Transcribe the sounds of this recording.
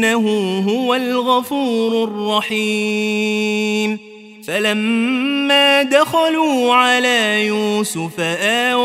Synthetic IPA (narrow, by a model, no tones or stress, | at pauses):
aɦʊɦʊwalɣafuːɾʊrˤːɑħiː | m | falamː | aːd̪axaluːʕalaːjuːsʊfaʔaː